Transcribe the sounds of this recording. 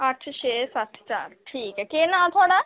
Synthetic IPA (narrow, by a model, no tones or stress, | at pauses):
ɐʈʰʃeːsɐt̪ʰt͡ʃa̰ːɾʈʰiːkɛkenãːt̪ʰʊaːɽaː